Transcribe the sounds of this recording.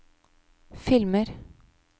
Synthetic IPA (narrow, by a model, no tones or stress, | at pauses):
fɪlməɾ